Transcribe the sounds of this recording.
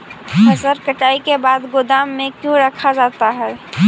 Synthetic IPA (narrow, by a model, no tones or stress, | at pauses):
xɐsəɾkəʈaːikebaːd̪ɡʊd̪aːmːẽkjõɾɐkʰad͡ʒaːt̪aɦɛː